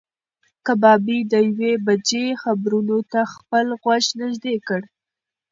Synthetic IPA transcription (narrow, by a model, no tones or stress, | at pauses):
kabɑbid̪əjwebad͡ʒexabɾunot̪axpəlɣwaʃnɪʒd̪ekəɽ